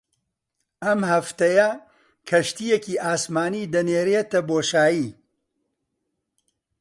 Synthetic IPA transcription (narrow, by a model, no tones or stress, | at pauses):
ʔɐmhɐft̪ɐjɐ | kʰɐʃt̪ijekiːʔaːsmaːnid̪ɐneːɾeːt̪ɐboːʃaːji